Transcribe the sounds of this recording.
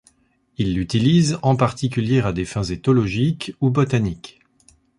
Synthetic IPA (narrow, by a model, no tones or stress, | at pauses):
ilːyt̪ilizɑ̃paʁt̪ikʲyljeʁad̪efɛ̃zet̪ɔlɔʒikubɔt̪anik